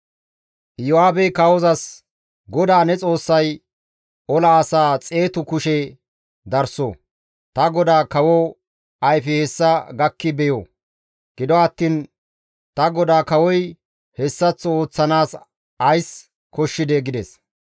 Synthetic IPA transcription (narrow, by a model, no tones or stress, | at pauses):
jɔaːbɛkɐɔzɐs | ɡɔd̪aːnɛt͡sʼo̞ːsːɐj | ɔlɐːsaːt͡sʼe̞ːt̪ʊkʊʃɛ | d̪ɐɾso̰ | t̪ɐɡɔd̪aːkɐwɔ | ɐjfɪhɛsːɐɡɐkːɪbɛjo̰ː | ɡ̥ɪd̪ɔɐt̪ːiːn | t̪ɐɡɔd̪aːkɐwɔj | hɛsːɐt͡sːo̞ːt͡sːɐnaːs | ɐjs | kɔʃːɪd̪ɛɡɪd̪ɛs